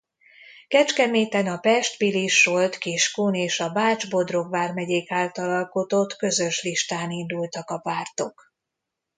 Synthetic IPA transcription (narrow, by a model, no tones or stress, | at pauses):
kɛt͡ʃkɛmeːt̪ɛnɒpɛʃt̪biliʃːo̞lt̪kiʃkuːneːʃɒbaːd͡ʒbo̞d̪ro̞ɡʋaːrmɛɟeːkaːlt̪ɒlɒlko̞t̪o̞t̪kø̞zø̞ʃliʃt̪aːnind̪ult̪ɒkɒpaːrt̪o̞k